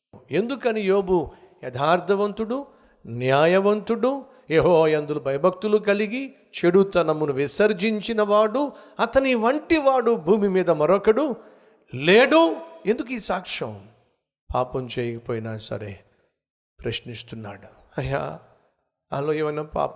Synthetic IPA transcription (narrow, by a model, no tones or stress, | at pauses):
e̞nd̪ukɐnijoːbu | jɐd̪ʱaːɾt̪ʰɐʋɐnt̪uɽu | njaːjɐʋɐnt̪uɽu | jeɦoːjɐnd̪ulubʱɐjɐbʱɐk̚t̪ulukɐliɡi | t͡ʃeɽut̪ɐnɐmːunuʋisɐɾd͡ʒiɲt͡ʃinɐʋaːɽuɐt̪ɐniʋɐɳʈiʋaːɽubʱuːmimiːd̪ɐmɐɾɔkɐɽu | leːɽuend̪uk̬iːsaːkʂɐ̰m | paːpɐmt͡ʃeːjɐkɐpoːjinasɐ̰ɾḛː | pɾɐʃnist̪unːa̰ːɽuɐja̰ː | ɐ̰lːoːeːʋɐjnaːpa̰ːp